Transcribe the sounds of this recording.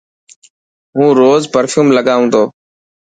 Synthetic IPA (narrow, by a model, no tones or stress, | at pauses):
ɦũːɾoːzpəɾfʰjuːmləɡaːũːd̪oː